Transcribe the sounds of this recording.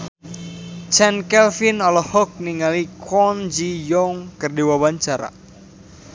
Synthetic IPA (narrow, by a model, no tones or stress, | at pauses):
t͡ʃɛnkɛlfinɔlɔhɔk̚niŋalikʰɔnd͡ʒijɔŋkərdiwawaɲt͡ʃaɾa̰